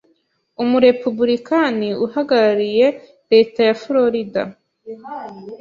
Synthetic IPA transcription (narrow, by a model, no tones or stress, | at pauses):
umuɾe̞pubuɾikaniuhaɡaɾaɾije̞ | ɾe̞ːtajaflo̞ɾida̰